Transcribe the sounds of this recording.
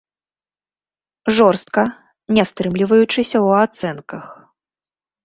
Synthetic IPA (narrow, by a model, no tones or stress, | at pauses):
ʐɔrst̪̚kɐ | nʲast̪ɾɨmlʲivɐjut͡ʂɨsʲɐwat̪sɛnkɐx